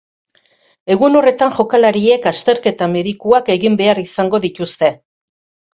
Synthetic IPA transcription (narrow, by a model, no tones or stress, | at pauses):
e̞ɣuno̞re̞t̪anʝo̞kalaɾie̞kast̪e̞ɾke̞t̪ame̞ðikuake̞ɣimbe̞arisaŋɡo̞ðit̪ust̪e̞